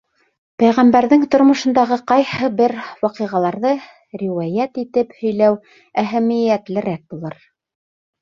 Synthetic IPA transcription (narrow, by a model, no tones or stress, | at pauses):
pæjʁæmbæɾðɘŋt̪ŏɾmŏʃɤ̆nd̪ɑʁɤqɑjhɤbɘɾwɑqɤ̆ʁɑlˠɑɾðɤ | ɾʲiwæjæt̪it̪ɘphɵ̆jlæw | æɦæmɘ̆jæt̪lɘ̆ɾæk̚bulˠɤɾ